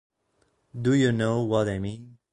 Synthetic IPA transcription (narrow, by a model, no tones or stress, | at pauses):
dujɨnoʊwʌt̚eɪmĩn